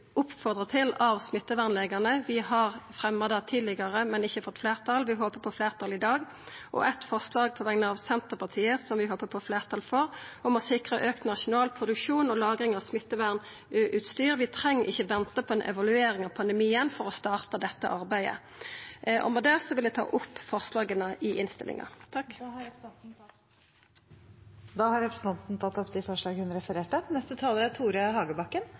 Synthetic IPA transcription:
ʊpfɔʁd̪ʁət̪ʰɪlɑʋsmɪt̪ːəʋæʁnleːɡəʁnəʋɪɦɑʁfʁɛməd̪ɑt̪ʰiːd̪lɪɡəʁəmɛnɪçːəfɔt̪ːfleːʁt̪ʰɑlʋɪɦoːpəpʰɔfleːʁt̪ʰɑlɪd̪ɑːɡ | ʔɔ̰ʔɛt̪fɔʁslɑːɡ̚pʰɔʋɛŋnəɑʋsɛnt̪əʁpʰɑʁt̪ʰiːəsɔmʋɪɦoːpəpʰɔfleːʁt̪ʰɑːlfɔʁɔmɔsɪkʁəʔøːkt̪nɑʃʊnɑːlpʰʁʊd̪ʉkʂuːnɔlɑːɡʁɪŋɑʋsmɪt̪ːəʋæʁn | ʔʉːt̪st̪yːʁʋɪt̪ʰʁɛŋːəʔɪçːəʋɛnt̪əpʰɔɛnʔɛ̰ʋɑlʉeːɾɪŋɑʋpʰɑnd̪ɛmiːənfɔʁɔst̪ɑːʁt̪əd̪ɛt̪ːə̰ʔɑʁbæɪə̰ | ʔɔ̰məd̪ɛːsɔʋɪld̪ɛt̪ʰɑ̰ːʔʊpːfɔʁslɑːɡənəʔɪʔɪnst̪ɪ̰lʔɪ̰ŋɑ̰t̪ʰɑkː | d̪ɑːhɑɾɛpɾəsn̩t̪ɑnt̪n̩t̪ʰɑt̪ːɔpd̪ɪfɔʂɭɑːɡhʉnɾɛfəɾeːʈənɛst̪ət̪ʰɑːləɾæt̪ʰuːɾɪɑhɑːɡəbɑkːən

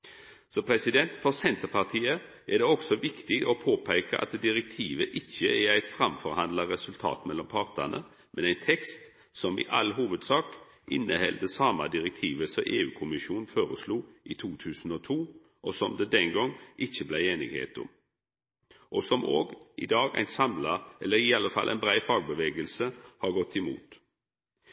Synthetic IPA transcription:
sɔpʰɾɛsɪd̪ɛnt̪fɔʁsɛnt̪əpɑʁt̪ʰiːə | æd̪ɛɔɡsɔʋɪkt̪ɪɔpʰoːpʰæɪkəʔɑ̰t̪d̪ɪɾɛk̚t̪ʰiːʋəʔɪçːəɛɾæɪt̪fɾɑmfɔɾhɑnd̪lɑɾɛsʉlt̪ʰɑ̰ːt̪mɛlːɔmpʰɑʁt̪ənə̰ | mʔɛnæɪnt̪ʰɛkst̪ | sɔmɪ̰ʔɑlɦuːʋəd̪sɑːk | ʔɪnːəhɛld̪əsɑːmɑd̪ɪʁɛk̚t̪ʰiːʋəsɔmʔeːʉːkʰʊmɪʃuːnfoːɾəsluːit̪ʰuːt̪ʰʉːsn̩ɔt̪ʰuː | ʔɔsɔmd̪ɛd̪ɛŋɡɔŋʔɪçəblæɪeːnɪ̰ɡhḛːt̪ʊ̰m | ʔɔsɔmoːɡʔɪ̰d̪ɑːɡæ̰ɪnsɑmlɑɛlːəɾɪɑlːəfɑ̰lʔæ̰ɪnbʁæɪfɑːɡ̚bəʋeːɡəlsəhɑɡɔt̪ʰːɪmṵːt̪

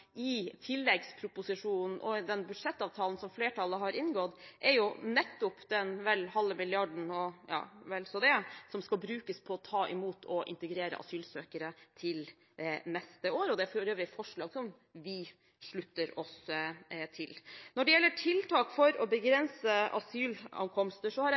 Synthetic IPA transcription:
ɪt̪ʰɪlːɛɡspʰɾʊpʊsɪʂuːnn̩ʔɔd̪ɛnbʉ̥ʂɛt̪ːɑːʋt̪ʰɑːln̩sɔmfleːʈʰɑləɦɑɾɪnɡɔt̪ʔɛɾjʊnɛt̪ːʊpd̪ɛnʋɛlhɑlːəmɪlɪɑɖɳ̩ɔjɑ̰ːʋɛlsɔd̪ɛsɔmskɑlbɾʉːkəspʰɔɔt̪ʰɑːʔɪ̰muːt̪ʰɔʔɪ̰nt̪əɡɾeːɾə̰ʔɑ̰syːlsøːkəɾət̪ʰɪl | nɛst̪əoːɾɔd̪ɛæfɔɾøːʋɾɪfɔʂɭɑːɡsɔm | ʋɪ | ʂɭʉt̪ːəɾɔs | t̪ʰɪlnɔɖɛjɛlːəʈʰɪlt̪ʰɑːkfɔɾɔbəɡɾɛnsəʔɑ̰syːlɑ̰ŋkʰɔmst̪əʂɔhɑɾ

